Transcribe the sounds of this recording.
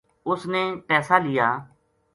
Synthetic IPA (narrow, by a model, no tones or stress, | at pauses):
ʊsneːpɛːsaːlɪjaː